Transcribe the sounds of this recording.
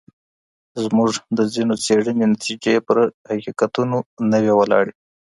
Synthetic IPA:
zmuʐd̪əzinot͡seɽənenat̪id͡ʒepəɾhaqikat̪unonəwewalɑ̰ɽe

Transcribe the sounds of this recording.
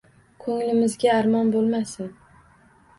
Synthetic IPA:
kʰɵŋlɪmɪzɡʲaːɾmɒnbolˠmasɪn

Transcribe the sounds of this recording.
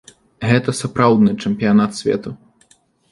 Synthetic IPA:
ɣɛt̪ɐsapɾawd̪nɨt͡ʂɛmpʲijanat̪sʲvʲɛ̰t̪u

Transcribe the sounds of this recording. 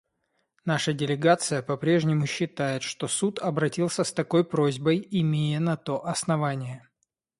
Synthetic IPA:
naʂədʲɪlʲɪɡat̪sɨjəpɐpɾʲe̞ʐnʲɪmʊɕːɪt̪ajɪt̪ʂt̪o̞sut̪ɐbɾɐtʲilˠsʲəst̪ɐko̞jpɾozʲbəjɪmʲejənɐt̪o̞ʔɐsnɐvanʲɪjə

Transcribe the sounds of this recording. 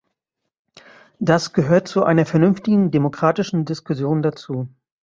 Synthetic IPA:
d̥asɡ̥əɦøːɐtt͡suʔa̰ɪnɐfɛɐnʏnftɪɡŋ̩demokʁ̥aːtɪʃn̩dɪskʊsjoːndat͡suː

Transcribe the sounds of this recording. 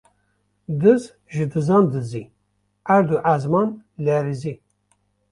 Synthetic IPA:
d̪ɨz | ʒɨd̪ɨzɑnd̪ɨzi | ʔæɾd̪uʔazmɑnlɛɾizi

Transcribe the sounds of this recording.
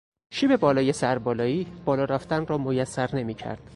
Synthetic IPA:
ʃiːbe̞bɒːlɒːje̞sæɾbɒːlɒːiːb̥ɒːlɒːɾæːft̪ænrɒːmojæsːæɾne̞miːcʰæ̰ɾd̪̥

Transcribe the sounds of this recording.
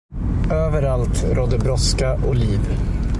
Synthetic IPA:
øːvəɾalt̪ɾʔɔd̪əbɾɔskaʔʊliːv

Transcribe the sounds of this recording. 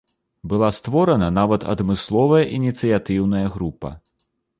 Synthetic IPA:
bɨlˠast̪vɔɾɐnɐnavɐt̪ɐ̰d̪mɨslˠɔvɐjɐʔinʲit̪sɨjat̪ɨwnɐjɐɣɾupɐ̰

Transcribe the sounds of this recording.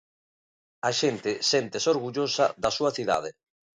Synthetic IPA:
aʃent̪ɪsent̪esoɾɣuʎosa̰ðasuaθiða̰ð̞e

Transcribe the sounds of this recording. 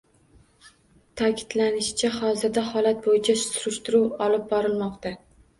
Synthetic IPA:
t̪ʰakʲʰɪ̥d̪lanɪʃt͡ʃʰahɒzɪɾd̪ahɒlat̪̚bojɪt͡ʃʰasʊɾʊʃt̪ɪɾuwɒlɪp̚bɒɾɪlmɒqt̪a

